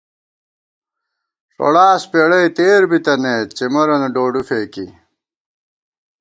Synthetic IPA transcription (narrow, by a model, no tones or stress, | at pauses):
ʂo̰ɽaːspeɽɐjt̪eːɾbit̪ɐneːt͡ɕemɐɾɐnɐɖoːɖufeːkḭ